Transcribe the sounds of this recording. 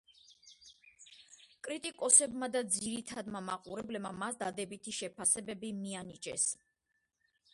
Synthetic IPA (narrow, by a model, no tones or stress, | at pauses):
kʼɾit̪ʼikʼɔsɛbmad̪ad̪ziɾit̪ʰad̪mamaqʼuɾɛblɛbmamasd̪ad̪ɛbit̪ʰiʃɛpʰasɛbɛbimianit͡ʃʼɛ̰s